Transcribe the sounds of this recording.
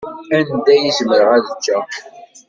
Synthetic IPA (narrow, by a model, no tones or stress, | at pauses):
ænd̪æjizməɾʁæðət͡ʃːæ